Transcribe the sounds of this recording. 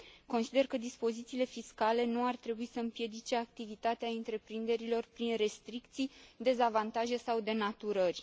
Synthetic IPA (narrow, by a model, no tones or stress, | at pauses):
ko̞nsid̪e̞rkəd̪ispo̞zit̪siːle̞fiskale̞nuart̪ɾe̞buisəɨmpje̞d̪it͡ʃe̞ak̚t̪ivit̪at̪eaɨnt̪ɾe̞pɾind̪e̞ɾilo̞rpɾinre̞st̪ɾik̚t̪sijd̪e̞zavant̪aʒe̞sawd̪e̞nat̪uɾərʲ